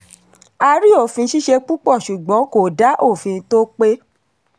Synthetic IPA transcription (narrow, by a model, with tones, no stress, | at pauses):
a˧ɾi˦o˦˨fĩ˧˦ʃi˦ʃe˧k͡pu˦k͡pɔ˦˨ʃu˨ɡ͡bɔ̃˨˦ko˦˨da˨˦ʔo˦˨fĩ˧to˦k͡pe˦